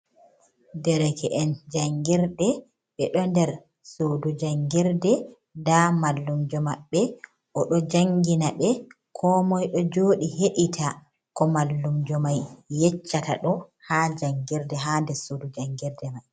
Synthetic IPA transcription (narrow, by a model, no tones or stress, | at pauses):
dɛɾɛkɛʔɛnd͡ʒaŋɡiɾdɛ | ɓɛɗɔndɛɾ | sodud͡ʒaŋɡiɾdɛ | ndamalːumd͡ʒɔmaɓːɛ | ʔɔɗɔd͡ʒaŋɡinaɓɛ | kʰɔːmɔjɗɔd͡ʒoːɗiheɗitʰa | kɔmalːumd͡ʒɔmajːɛt͡ʃːata̰ɗɔhad͡ʒaŋɡiɾdɛɦandɛɾsodud͡ʒaŋɡiɾdɛmaj